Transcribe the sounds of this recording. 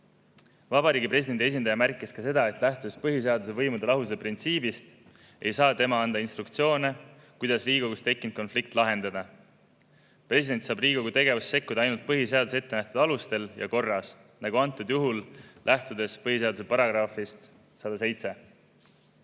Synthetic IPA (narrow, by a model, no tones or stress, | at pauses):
vɑbɑɾiːɡipre̞s̬id̪e̞nd̪ie̞s̬ʲind̪ɑjɑmærkːˑiskɑse̞d̪ɑe̞t̪ˑlæht̪ud̪espɤɦis̬e̞ɑd̪us̬e̞vɤjmud̪elɑɦus̬eprint̪siːbist̪ | e̞jsɑːt̪e̞mɑɑnd̪̥ɑinst̪ɾukt̪sio̞ːne | kujd̪̥ɑsriːɡ̥o̞ɡust̪e̞kːˑint̪̚ko̞nflik̚t̪ːˑlɑɦe̞nd̪̥ɑd̪ɑ | pre̞s̬ʲid̪̥e̞nʲt̪sɑːbriːɡ̥o̞ɡut̪e̞ɡ̥e̞vust̪ːse̞kːud̪̥ɑɑjnult̪̚pɤɦise̞ɑd̪usee̞t̪ːenæht̪ud̪̥ɑlust̪e̞ljɑ̰ko̞rːɑs | nɑɡuɑnt̪ːˑud̪juɦullʔæht̪ud̪e̞spɤɦiseɑd̪use̞pɑɾɑɡ̥rɑfist̪ | sɑd̪̥ɑse̞jt̪se̞